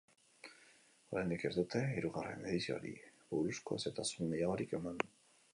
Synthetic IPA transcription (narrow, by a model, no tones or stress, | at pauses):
o̞ɾajnd̪ike̞ɾðut̪e̞iɾuɣare̞̰me̞ð̞isio̰ɾḭbuɾusko̞̰se̞t̪asunejaɣo̞ɾike̞mand̪u